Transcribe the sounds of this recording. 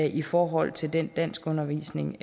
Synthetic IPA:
ʔifɒːɦɒ̽l̰t͡sʰe̝ld̥end̥æn̰sɡ̥ɔ̽nɐʋḭːsne̝ŋ

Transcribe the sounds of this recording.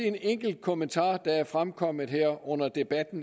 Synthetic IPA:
eneŋ̰ɡ̥l̩d̥̚kʰo̝mənt͡sʰɑ̰̈ːd̥ɑ̈æɐfʁamkʰɒ̽m̰ð̩ˠheɐ̰ɔ̽n̰ɐd̥e̝b̥æd̥n̩

